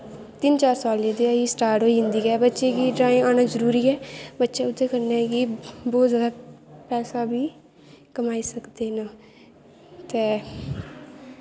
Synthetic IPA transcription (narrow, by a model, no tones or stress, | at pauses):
t̪ɪnt͡ʃaːɾsaːlẽːd̪eaiːsʈaːɾʈɦoːiːɪ̃nd̪iːkɛːbətːʃeːkiːɖɾaːẽːaːnaːzəɾuːɾiːɛːbətːʃeːʊd̪ːeːkəɾnaːɡiːbɔːt̪zjaːd̪aːpɛːsaːbiː | kəmaːiːsəkd̪eːnãː | t̪eː